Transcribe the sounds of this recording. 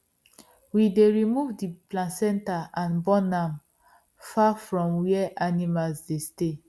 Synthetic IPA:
wideɹimuvdiplãsɛ̃ntaʔãnbɔnãm | fafɹɔ̃mwiɛʔanimalsdeste

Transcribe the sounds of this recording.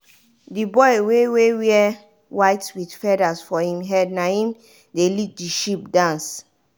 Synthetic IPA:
dibɔɪwewewiɛ | waɪtwidfɛdasfɔhĩmɦɛd̚nahĩm | delit̚diʃip̚dãns

